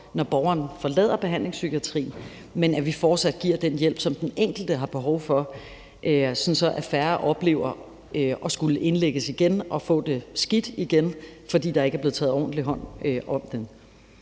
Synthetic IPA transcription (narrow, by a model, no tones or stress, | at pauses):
nɒb̥ɒʊɐːn̩fɒ̽lɛ̰ð̰ˠɐb̥e̝ɦæn̰le̝ŋsyɡ̥ʰiæt͡sʰʁḭːn̩ | menæʋifɒːd̥sæd̥̚ɡ̥iɐ̰d̥enjel̰b̥sɒ̽md̥eneŋ̰ɡ̥l̩d̥əɦɑ̈b̥e̝ɦɒʊfɒ̽ | ʔøsɒnsɒ̽ʔæfæɐʔɒ̽b̥le̝̰ːʊɐ | øʔɒ̽sɡ̥uləʔe̝nleɡ̥əsiɡ̥enɒ̽fɔ̰̽ːd̥e̝sɡ̥id̥iɡ̥enfɒ̽d̥ḭːd̥ɑ̈e̝ɡəæɐb̥le̝ð̩ˠt͡sʰɛːð̩ˠɒ̰ːn̩dliɦɒ̽n̰øʔɒ̽m̰d̥en